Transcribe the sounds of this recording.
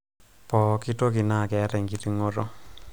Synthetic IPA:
pɔ˨kɪ˦to˦kɪ˨na˦˨kɛ˨˦ɾɛ˨ŋɡi˦ti˦ŋo˦ɾo˦

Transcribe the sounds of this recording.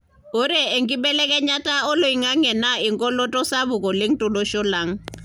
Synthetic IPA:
o˦ɾɛ˦˨e˨ŋkʼi˦ɓɛ˦lɛ˦kʼɛ˦ɲa˦tʼa˦ɔ˦lo˨i˨ŋa˦ŋɛ˨na˦i˨ŋkʼɔ˦lɔ˦tʼɔ˦sa˦βʊ˨kɔ˨le˦ŋ̩˦tʼʊ˦lɔ˦ʃɔ˦la˨˦ŋ̩˦

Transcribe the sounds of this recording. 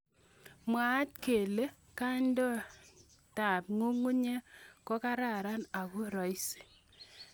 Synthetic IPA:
mwa˨˦t̚ke˨le˦ | ka˦ndɔ˦ | ta˨p̚ŋu˦ŋu˦ɲe˦kɔ˦ka˦ɾa˦˨ɾa˦na˨ku˦ɾɔ˨i˦se̥˨

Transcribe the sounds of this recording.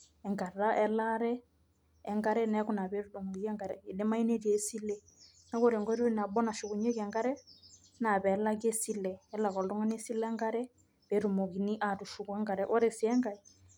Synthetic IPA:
ɛ˨ŋɡa˨ɾa˦ʔɛ˦la˦ɾɛː˦ | ŋɡa˦ɾɛ˦nɛ˦ku˦na˨βe˨˦ɾu˦dɔ˨ŋo˨ɡi˦ɛ˦ŋɡa˨ɾɛ˨e˨ɗe˦ma˦i˦ne˦ɾi˦e˨˦si˦lɛ˦ | na˨˦kɔ˦ɾɛ˨ŋɡɔ˦ɾu˦na˨bɔ˦na˨ʃu˨ku˨ɲe˦kɛ˨ŋɡa˦ɾɛ˦ | na˨bɛ˨˦la˦k̬e˦si˦lɛː˨˦la˨kɔ˨ldɔ˦ŋa˦ne˦si˦lɛ˦ŋɡa˦ɾɛ˦ | be˨ɾu˨mo˨ki˨ni˦ʔa˨tu˨ʃu˨kwɛ˦ŋɡa˨ɾɛ˦ʔɔ˦ɾɛ˨si˦ɛ˦ŋɡa˨i˨

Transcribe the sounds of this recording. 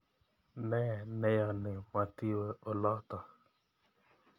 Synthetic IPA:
nɛ˦˨nɛ˦jɔ˨nɪ˨ma˨ti˦wə˦o˨lɔ˦tɔ˨

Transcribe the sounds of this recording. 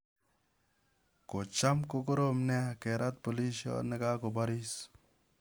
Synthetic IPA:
ko˨t͡ʃa˦mko˦ko˦ɾo˦mne˦ke˨ɾʔa˦t̪̚po˨li˦sjɔ̰˦ne˦ɡa˦ko˨ba˦ɾi˦s

